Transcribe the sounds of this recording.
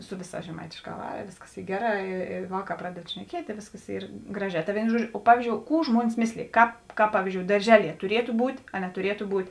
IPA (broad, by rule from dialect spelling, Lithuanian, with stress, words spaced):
ˈsʊ ˈʋʲɪˌsɑːs ʒʲɛˈmɐɪtʲeːʃˌkɑː ˈʋɑːrɐ ˈʋʲeːsˌkɐs ˈiː ˈɡʲæːˌrɑː ɪ ɪ ˈʋɑːˌkɑː ˈprɑːdʲɛt ʃʲnʲɛˈkʲiɛtʲ ɪ ˈʋʲeːsˌkɐs ˈiːr ˈɡrɑːˌʒʲɛː ˈtɐ ˈʋʲeːɪnoː ˈʒuɔˌd͡ʒʲoː ˈpɑːʋʲiːzʲˌd͡ʒʲoːʊ ˈkuː ˈʒmuɔnʲɪs ˈmʲeːsʲlʲeːj ˈkɑːp ˈkɑːp ˈpɑːʋʲiːzʲˌd͡ʒʲoːʊ dɐrʲˈʒʲæːˌlʲiɛ tʊˈrʲiɛtʊ ˈbuːtʲ ɐ nʲɛtʊˈrʲiɛtʊ ˈbuːtʲ